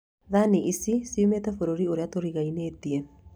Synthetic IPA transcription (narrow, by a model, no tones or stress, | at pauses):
ðaniʔisisiumetɛfoɾoɾioɾeatoɾiɣaineːtiɛ